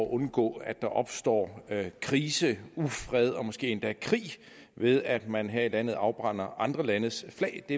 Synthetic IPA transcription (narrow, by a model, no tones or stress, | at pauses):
ʔɔ̽nɡ̥ɔ̰̽ːæd̥ɑ̈ʔɒ̽b̥sd̥ɒ̰ːkʰʁiːsəufʁɛð̞ˠɒ̽mɔ̽sɡ̥e̝̰ːe̝nd̥ækʰʁḭː | ʋe̝ð̞ˠæd̥mænɦæɐ̰ilæn̰ð̩ˠɑ̈ʊb̥ʁɑ̈n̰ɐʔɑ̈nd̥ʁɐlænəðsflɛ̰ːɪd̥e̝